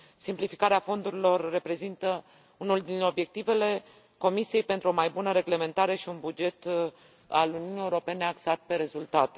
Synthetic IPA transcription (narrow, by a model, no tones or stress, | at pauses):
simplifikaɾeafo̞nd̪uɾilo̞rːe̞pɾe̞zint̪ə | unuld̪ino̞bje̞k̚t̪ive̞le̞ | ko̞misiejpe̞nt̪ɾuo̞majbunəɾe̞ɡle̞me̞nt̪aɾe̞ʃiunbud͡ʒe̞t̪ | a̰luniunijeuɾo̞pe̞ne̞aksat̪̚pe̞ɾe̞zult̪at̪e